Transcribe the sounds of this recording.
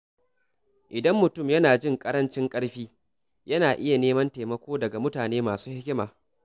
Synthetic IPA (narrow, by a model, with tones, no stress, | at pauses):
ʔɪ˨dɐ˦mːʊ˨tʊ˦˨mjɐ˦naː˨d͡ʒɪ˦ŋkʼɐ˦ɾɐ˦nt͡ʃɪ˦ŋkʼɐ˦ɽɸiː˦ | jɐ˦naː˨ʔɪ˦ja˨neː˦mɐ˦nteː˨mɐ˦kʷoː˦dɐ˨ɡa˨mʊ˦taː˨neː˦maː˨suː˦hɪ˦kʲɪ˦maː˨